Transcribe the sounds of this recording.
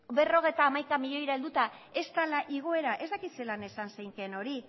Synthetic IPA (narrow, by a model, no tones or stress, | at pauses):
be̞ro̞ɣ̞e̞jt̪aːmajkamiʎo̞jɾaeld̪ut̪ae̞st̪alaʔiɣ̞o̞e̞ɾaʔe̞zd̪akise̞lane̞sansejŋkeno̞ɾi